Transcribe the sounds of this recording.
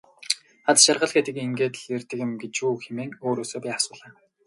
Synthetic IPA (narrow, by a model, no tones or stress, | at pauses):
at͡s̪ʃarʁə̆ɮɡet̪ɘ̆keŋɡeːt̪ɮert̪ɘ̆kʲɪ̆mɡet͡ɕuːxemeːŋoːɾoːsoːpʲiːasʊːɮaː